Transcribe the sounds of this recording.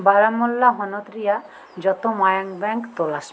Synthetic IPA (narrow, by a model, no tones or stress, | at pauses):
baɾamɔlːaɦɔnɔt̪ɾija | d͡ʒɔt̪omajaŋbɛŋkt̪olas